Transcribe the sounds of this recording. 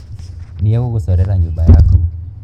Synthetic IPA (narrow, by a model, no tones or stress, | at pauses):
niɛwuɣusɔɾɛɾaɲuɓaja̰kɔ